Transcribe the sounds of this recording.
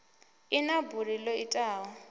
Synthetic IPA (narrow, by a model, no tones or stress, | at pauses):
inaburilɔitʼaːɦɔ